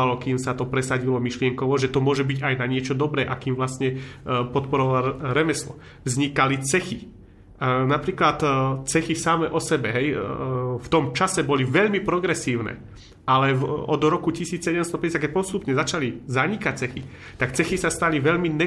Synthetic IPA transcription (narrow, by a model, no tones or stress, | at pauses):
alɔkiːmsat̪ɔpɾɛsaɟilɔmiʃlɪɛŋkɔʊɔʒɛt̪ɔmʊɔʒɛbiɟajnaɲɪɛt͡ʃɔd̪ɔbɾɛːʔakiːmʋlast̪ɲɛpɔt̪pɔɾɔʋalaɾɛmɛslɔ̰ | vzɲikalit͡sɛxi | napɾiːklat̪t͡sɛxisamɛʔɔsɛbɛɦɛj | ft̪ɔmt͡ʃasɛbɔliʋɛʎmipɾɔɡɾɛsiːʊnɛ̰ | alɛɔd̪ɾɔkucisiːt͡ssɛɟɛmst̪ɔpɛɟɛsjakɛc̚pɔst̪upɲɛzat͡ʃalizaɲikac̚t͡sɛxi | t̪akt͡sɛxisast̪aliʋɛʎminɛ